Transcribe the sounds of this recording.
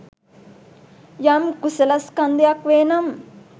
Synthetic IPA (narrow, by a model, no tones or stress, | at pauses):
jɐmkusɐlɐskɐnd̪jakʋeːnɐm